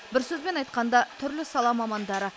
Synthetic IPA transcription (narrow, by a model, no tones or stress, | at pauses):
bɪɾsɵzbe̞nɑjt̪̚qɑnd̪ɑt̪ʰʏɾlɪsɑlˠɑmɑmɑnd̪ɑɾə